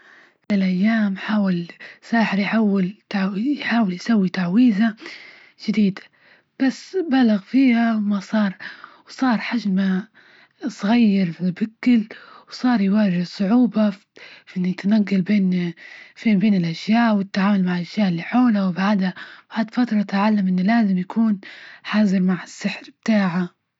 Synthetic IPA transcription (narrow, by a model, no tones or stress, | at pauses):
ɪlʔajːaːmħaːwɪlsˤaːħɪɾjħaːwɪlt̪ajħaːwɪljsawːit̪aʕwiːza | ʒ̥ɪd̪iːd̪ḁ | b̥asːbalaɣfiːhawmasˤɑːɾˤwsˤɑːɾˤħaʒma | sˤɣajːɑɾfbɪkːɪlwsˤɑːɾˤjwaːʒɪhsˤʊʕuːba | ʔɪnːt̪anaɡːalbeːnfibeːnɪlʔaʃjaːʔwɪt̪ːaʕaːmʊlmaʕʔaʃjaːʔɪlːiħoːlawbaʕd̪hab̥aʕd̪fat̪ɾˤɑt̪ʕalːamʔɪnːlaːzɪmjakʰuːnħaːzɪɾmaʕɪsːɪħɾb̥̚t̪aːʕa